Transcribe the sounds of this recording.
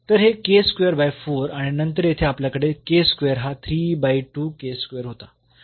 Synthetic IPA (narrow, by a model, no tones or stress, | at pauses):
t̪əɾɦekeskʋejəɾbajfoɾaɽ̃inənt̪əɾjet̪ʰeapljakəɽekeskʋejəɾɦat̪ʰɾiːbajʈuːkeskʋejəɾɦot̪a